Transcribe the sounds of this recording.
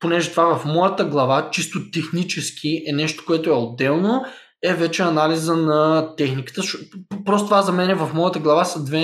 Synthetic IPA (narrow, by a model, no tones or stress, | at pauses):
ponɛʒɛt̪ovavɐfmɔjət̪əɡlˠɐvat͡ʃist̪ot̪ɛxnit͡ʃɛsk̟ʲiʔɛnɛʃt̪o̥koɛt̪oɛod̪ːɛlˠno | ɛvɛt͡ʃɛɐnalizənɐt̪ɛxnikə̥t̪əʃpɾɔst̪ovazɐmɛnɛvɐfmɔjət̪əɡlˠɐvasɐd̪vɛ